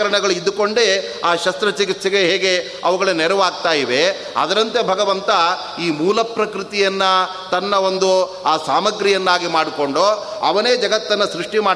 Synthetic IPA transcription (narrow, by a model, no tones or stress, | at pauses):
ɐɾɐɳɐɡɐɭuid̪ːuko̞ɳɖe | aːʃɐst̪ɾɐt͡ʃik̬it̪ːsɐɡeɦɛːɡe̞ | ɐ̰ʋuɡɐɭenɛɾɐʋaːɡ̚t̪aːjiʋe̞ | ɐ̰d̪ɐɾɐnt̪ebʱɐɡɐʋɐnt̪ɐ | iːmuːlɐpɾɐkɾɪt̪ijɐnːɐ | t̪ɐnːɐo̞nd̪u | aːsaːmɐɡɾijɐnːaːɡimaːɽiko̞ɳɖo | ɐ̰ʋɐneːd͡ʒɐɡɐt̪ːɐnːɐsɾuʂʈimaː